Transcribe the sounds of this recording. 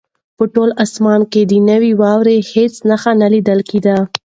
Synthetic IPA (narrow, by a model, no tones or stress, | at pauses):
pəʈolasmɑnked̪ənəwiwɑwɾehet͡snaxanalid̪əlkid̪a